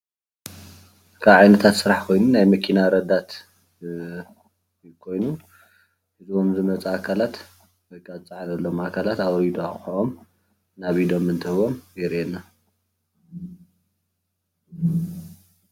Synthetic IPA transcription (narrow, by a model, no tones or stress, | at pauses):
kʰaβʕajnɐt̪ʰat̪sɨɾaħkʰo̞jnunajmɐkʰinaɾɐd̪at̪ | kʰo̞jnu | ħɨzβo̞mzɨmɐt͡sʼaakʰalat̪ | wojkʰʼazɨt͡sʼaʕanɐlːomakʰalat̪awɾid̪oaxoʔom | naβid̪omɨnt̪ʰɨhɨβo̞mjɛɾɛnːa